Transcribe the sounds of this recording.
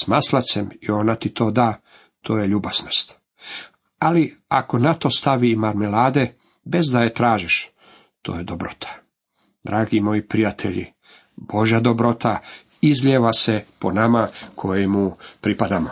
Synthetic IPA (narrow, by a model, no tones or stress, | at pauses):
smaslat̪semio̞nat̪it̪ʰo̞ːd̪aː | t̪ʰoːjeʎubaz̥no̞st̪ | alia̰ko̞nat̪o̞st̪aʋiːmaɾmelaːd̪e̞ | be̞zd̪ajet̪ɾaːʒiʃ | t̪oːjed̪obɾo̞̰t̪ʰḁ | d̪ɾaːɡimo̞jipɾijat̪ʰeʎḭ | b̥o̞ʒad̪obɾo̞t̪ʰa | izlʲeʋasepo̞namakʰo̞jemupɾipad̪amo